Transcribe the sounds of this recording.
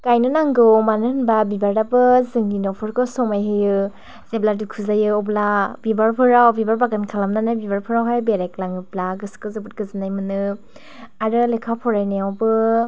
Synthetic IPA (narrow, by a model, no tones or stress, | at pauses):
kajnɯnaŋɡɯwmanɯnbabibaɾdabɯzɯŋɡinɔpʰɯɾkʰɯsɔmajɦɯjɯ | zebladukʰuzajɯɔblabibaɾpʰɯɾawbibaɾbaɡankʰalamnanajbibaɾpʰɯɾawɦajbeɾaklaŋɯblaɡɯskɯzɯbut̚ɡɯzɯnajmɯnɯ | aɾɯlekʰapʰɔɾajneawbɯ